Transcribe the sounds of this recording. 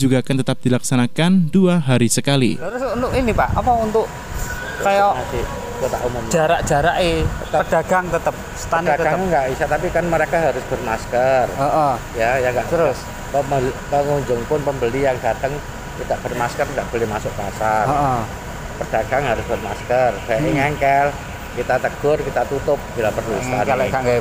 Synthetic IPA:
d͡ʒuɡakant̪ət̪ap̚d̪̥ilaksanakanduaɦaɾisəkalḭt̪əɾʊsunt̪ʊʔinipaʔapaunt̪ʊʔ | kajaat̪i | k̪ot̪a̰ʔumʊmd͡ʒaɾaʔd͡ʒ̥aɾaʔɪt̪aərd̥aɡaŋt̪ət̪əp̚sə̥t̪anatɡaəŋŋɡaʔisat̪ap̬ikanməɾekaɦaɾʊsb̥ərmaskərəʔ | jajaŋɡaʔ̪əɾʊs | əmpəŋuɲd͡ʒʊŋpʊnpəmbəlijaŋdat̪əŋ | kid̪aʔb̥ərmaskərdaʔb̥olɛhmasʊk̚pasaroə | pərd̥aɡ̥aŋɦaɾʊsb̥ərmaskərb̥aiŋɛŋkɛl | kit̪at̪ək̚d̥ʊrkit̪at̪ut̪ʊp̚b̥ilapərluist̪analakaŋɡa

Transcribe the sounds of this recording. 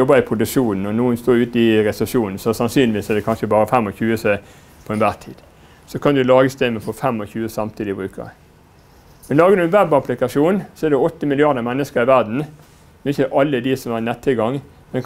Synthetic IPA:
ɔbːəɪpʰɾʊd̪ʉʂuːnn̩ɔnuːənst̪oːʉːt̪ɪɾɛsɛʂuːnn̩sɔsɑnsyːnlɪʋiːsɛd̪ɛkʰɑnʂəbɑːɾəfɛmːɔçʉːət̪ɛ | pʰɔɛnʋæːt̪ʰḭːd̪ | sɔkʰɑnd̪ʉlɑːɡəst̪eməfɔfɛmːɔçʉːəsɑmt̪ʰiːd̪ɪbɾʉːkə̰ʁ | mɛnlɑːɡənʉnʋɛbɑplɪkɑʂuːnsɔɛd̪ɛɔt̪ːəmɪlɪɑʁd̪əmɛnːəskəɾɪʋæɾd̪n̩ | mɛnɪçːəʔɑlːəd̪ɪsɔmæʁnɛt̪ʰːɪlɡɑŋː | mɛn

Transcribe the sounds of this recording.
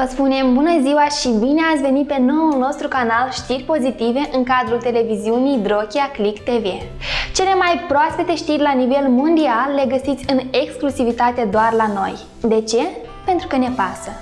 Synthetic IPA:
vəspune̞mbunəziwaʃibine̞atsʲve̞nit̪̚pe̞no̞wulno̞st̪ɾukanalʃt̪irʲpo̞zit̪ive̞ʔɨŋkad̪ɾult̪e̞le̞viziunijd̪ɾo̞kʲiaklikt̪e̞ve | t͡ʃe̞le̞majpɾoaspet̪e̞ʃt̪irʲlanive̞lmo̞nd̪ialːe̞ɡəsit̪sʲɨne̞ksklusivit̪at̪e̞d̪oarlano̞̰j | d̪e̞t͡ʃe̞ | pe̞nt̪ɾukəne̞pasə

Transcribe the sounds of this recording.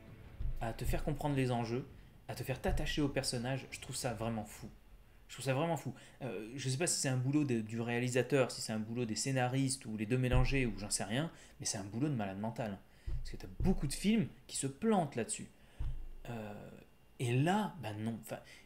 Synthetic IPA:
at̪əfɛʁkɔ̃pχɑ̃d̪ʁlezɑ̃ʒø | at̪əfɛʁt̪at̪aʃeopɛʁsɔnaʒʒə̥t̪χuv̥savʁɛmɑ̃fu | ʒət̪χuvsavʁɛmɑ̃fu | øʒəs̬ɛpasi̥sɛt̪ɛ̃bulod̪əd̪yʁealizat̪œʁsi̥sɛt̪ɛ̃bulod̪esenaʁist̪uled̪ømelɑ̃ʒeuʒɑ̃sɛʁjɛ̃ | mɛsɛt̪ɛ̃bulod̪əmalad̪mɑ̃t̪alɛ̃ | pskət̪abokud̪əfilmkʲi̥səplɑ̃t̪lad̪əsy̰ | ø | elabanɔ̃ɑ̃fɛ̃

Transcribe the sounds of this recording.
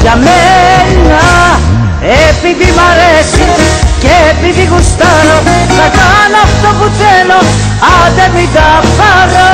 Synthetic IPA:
ʝɐmennɐ | epiðimɐɾesicepiðiɣust̪ɐɾoθɐkanɐft̪oput͡seno | ɐd̪emit̪ɐfɐɣɐ

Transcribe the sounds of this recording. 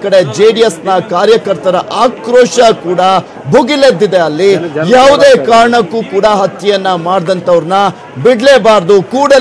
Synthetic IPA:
kɐɽe̞d͡ʒeːɖiesnɐkaːɾjɐkɐɾt̪ɐɾɐʔaːkɾoːʂɐkuːɽɐ | bʱuɡiled̪ːid̪eɐlːijaːʋud̪eːkaːɾɐɳɐkːuːkuːɽɐɦɐt̪jɐjɐnːɐmaːɽd̪ɐnt̪ɐʋɐɾnɐ | biɽleːbaːɾd̪ukuːɽɐ

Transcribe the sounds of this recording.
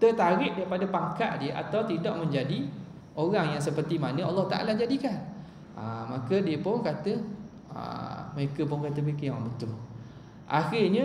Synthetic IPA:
t̪ərt̪aɾɪʔ̚daɾipadapaŋkaʔdiəʔa̰t̪awt̪idɔʔmə̃ɲd͡ʒadi | oɣaŋjaŋsəpərt̪imanə̃ʔɑ̰lːɑht̪aʔa̰lad͡ʒadikan | a̰makədiəpʊnkat̪ə | ə̰məɾekəpʊnkat̪əməekəjoɣaŋbət̪ʊl | ʔa̰xɪrɲə

